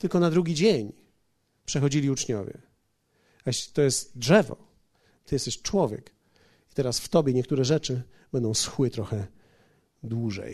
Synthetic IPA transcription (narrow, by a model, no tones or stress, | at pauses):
t̪ɘlkɔnad̪ɾuɡʲid͡ʑeɲ | pʂɛxɔd͡ʑilʲiut͡ʂɲɔvʲjɛ̰ | ajɛɕlʲi̥t̪ɔjɛst̪dʐɛvɔ̰ | t̪ɘjɛst̪ɛɕt͡ʂwɔvʲjɛ̰k | it̪ɛɾasft̪ɔbʲjɛɲɛk̚t̪uɾɛʐɛt͡ʂɘ | bɛnd̪ɔ̃w̃sxwɘt̪ɾɔxɛ | d̪wuʐɛ̰j